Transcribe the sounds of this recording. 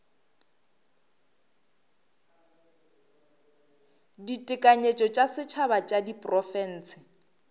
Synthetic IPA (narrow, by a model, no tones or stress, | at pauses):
ditʼɪkʼaɲet͡ʃʼɔt͡ʃʼasɪt͡ʃʰaβat͡ʃʼadipʼrɔfɛn̩ːsɪ